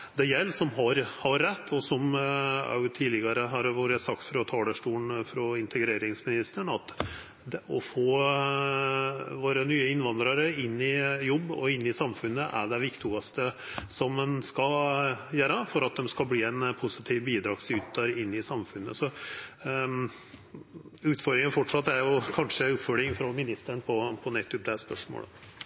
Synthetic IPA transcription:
d̪ɛjɛlːsɔmɦɑɾhɑɾːɛt̪ʰːɔsɔmɑ̰ʉt̪ʰiːlɪɡɑɾəɦɑɾʋuːɾəsɑk̚t̪fɾɑt̪ʰɑːləʂʈuːnfɾɔɪnt̪ʰəɡɾeːɾɪŋsmɪnɪst̪əɳɑt̪ | d̪ɛɔfoː | ʋoːɾənyːəɪnʋɑnd̪ɾɑɾəɪnːɪjɔbːɔ̰ɪnːɪsɑmfʉnːəʔæ̰ɖɛʋɪkt̪ʰuɑst̪ə | sɔmːɛnskɑjæːɾəfɔɾɑt̪̚d̪ɛmskɑlbliːɛnpʰʊsɪt̪ʰiːʋbiːd̪ɾɑːɡsʉːt̪̚d̪ɑɾɪnːɪsɑmfʉnːə̰sɔ | ʉːt̪fɔɾd̪ɾɪŋənfɔʈʂɑt̪ːæɾjʊkʰɑnʂəʉːt̪fɔɖ̪ɪŋfɾɔmɪnɪst̪əɳpʰɔpʰɔnɛt̪ʰːʉp̚d̪ɛspœʂmo̰ːlə̰

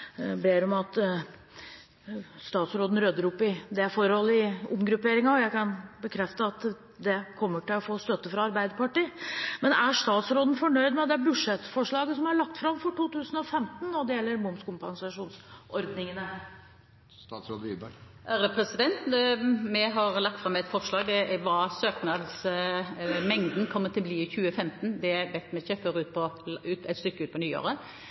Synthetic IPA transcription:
beːɾɔmɑt̪ | st̪ɑːt̪sɾoːd̪n̩ɾød̪əɾʊpːɪd̪ɛfɔɾhɔlːəɪʊmɡɾʉpeːɾɪŋɑɔjæɪkɑnbəkʰɾɛft̪əɑt̪ | d̪ɛkʰɔmːəʈɪlɔfoːst̪œt̪ːəfɾɑɑɾbæɪd̪əɾpɑʈiːmɛnæʂt̪ɑːt̪sɾoːd̪ən̩fɔɳœʏd̪mɛd̪ɛæbʉʂɛt̪ːfɔʂɭɑːɡəsɔmhɑɭɑk̚t̪fɾɑmfɔʈuːt̪ʉːsən̩ɔfɛmt̪nːɔd̪ɛjɛlːəɾmʊmskʊmpɑnsɑʂuːnsʔɔɾd̪nɪŋənəɾ | sɾod̪ḭb | ʔɾəpʰɾɛsɪd̪ɛnt̪mɛɦɑʁlɑk̚t̪fɾɑmːɛt̪fɔʁʂɭɑːɡd̪ɛʋɑsøːknɑd̪s | mɛŋd̪nkʰɔmːət̪ʰɪlbliːɪçʉːəfɛmt̪n̩d̪ɛʋɛt̪ːmɛɪçːəføɾʉːt̪pʰɔʉːt̪ɛt̪st̪ʏkːəʉːt̪̚pʰɔnyːo̰ːʁən

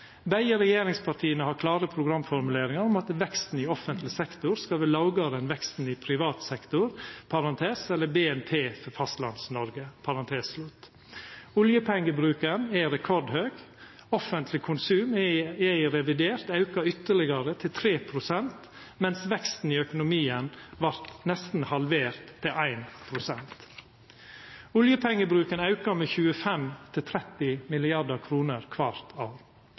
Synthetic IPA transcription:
bæɪəɾɛjeːɾɪŋspʰɑʈʰiːənəhɑɾkʰlɑːɾəpʰɾʊɡɾɑmfɔɾmʉleːɾɪŋɑɾɔmɑt̪ʋɛkst̪n̩iɔfənt̪lɪsɛkt̪ʊɾskɑlʋɛlɑʊɡɑɾəɛnʋɛkst̪n̩ɪpʰɾɪʋɑːt̪sɛkt̪ʊɾpʰɑɾɑnt̪ʰeːsɛlːəbeːɛnpʰeːfɔɾfɑst̪lɑ̰nsnɔɾɡəpʰɑɾɑnt̪ʰeːsslʉt̪ː | ʊljəpʰɛŋːəbɾʉːkənɛɾɛkʰɔɖhøːɡ | ɔfənt̪ʰlɪkʰʊnsʉːmæɪɾɛʋɪd̪eːɾt̪ɑʉkɑʏt̪ːəɭɪɡɑɾət̪ʰɪlt̪ʰɾeːpʰɾʊsɛnt̪ | mɛnsʋɛkst̪n̩iːœkʊnʊmiːənʋɑɾt̪nɛst̪n̩hɑlʋeːɾt̪ʰːɪlʔæɪnpʰɾʊsɛnt̪ | ʊljəpʰɛŋːəbɾʉːkənɑʉkɑmeːçʉːəfɛmt̪ʰɪlt̪ʰɾɛt̪ɪmɪlɪɑɖəkʰɾuːnəɾkʰʋɑɾt̪ʰɑːʋ

